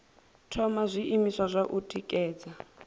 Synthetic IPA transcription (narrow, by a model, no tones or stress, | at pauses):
tʰɔmazʷiʔimisazʷaʔutʼikʼɛːd͡za